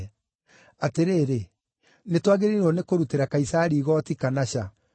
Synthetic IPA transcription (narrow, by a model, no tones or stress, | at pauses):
ateɾeːɾe | netwaɣeɾeɾɔnekoɾuteɾakaisaɾiːɣɔtikanaɕa